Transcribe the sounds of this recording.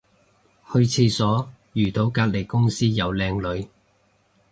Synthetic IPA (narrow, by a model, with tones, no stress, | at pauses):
hɵ˧ɥt͡sʰiː˧sɔː˨˥ | jyː˨˩t̪o˨˥wkaː˧t̚le˨˩jkʊ˥ŋsiː˥jɐ˨˧wlɛː˧ŋlɵ˨˧˥ɥ